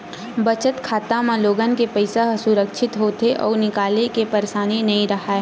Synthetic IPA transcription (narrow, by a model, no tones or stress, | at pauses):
bɐt͡ʃət̪kʰaːt̪amãloːɡənkepəɪsasʊɾəkʃʰɪt̪ɦoːt̪eʔɔ̰ːɾnɪkaːlekepɐɾesaːninɐɦĩɾɐɦae